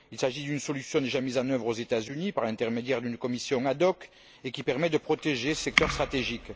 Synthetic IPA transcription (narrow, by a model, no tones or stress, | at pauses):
ilsaʒid̪ynəsɔlysjɔ̃d̪eʒamizɑ̃nœvʁozet̪azynipaʁlɛ̃nt̪ɛʁmed̪jɛʁd̪ynkɔmisjɔ̃ad̪ɔk | ekʲipɛʁmɛd̪əpχɔt̪eʒesɛk̚t̪œʁst̪χat̪eʒik